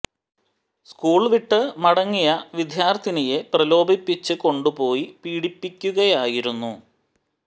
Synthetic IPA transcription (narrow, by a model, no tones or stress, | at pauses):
skuːɭʋiʈːɨmɐɽɐŋːijɐʋid̪ʱjaːrt̪ʰinije̞prɐlo̞ːbʱipːit͡ɕːɨko̞ɳɖupo̞ːjipiːɽipːikʲːuɣɐjaːjiɾunːu